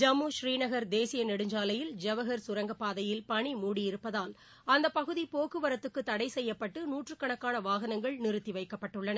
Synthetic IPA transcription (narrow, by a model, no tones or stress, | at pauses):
d͡ʒɐmuːʃɾiːnɐɣɐɾd̪eːsɪjɐnɪɽɯɲd͡ʒaːlɐjɪld͡ʒɐʋɐɣɐɾsʊɾɐŋɡɐpːaːðɐjɪlpɐɳimuːɽijɪɾɯpːɐðaːl | ɐnd̪ɐpɐɣɯðipoːkɯʋɐɾɐt̪ːɯkːɯt̪ːɐɽɐɪsɛjːɐpːɐʈːɯnuːʈrɯkːɐɳɐkːaːnɐʋaːɣɐnɐŋɡɐɭnɪɾɯt̪ːiʋɐɪkːɐpːɐʈːɯɭːɐnɐ